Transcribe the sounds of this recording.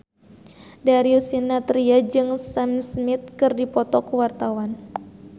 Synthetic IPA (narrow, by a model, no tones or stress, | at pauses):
daɾiusinat̪ɾiad͡ʒɨŋsamsmit̪̚kɨrdipɔt̪ɔkuwart̪awan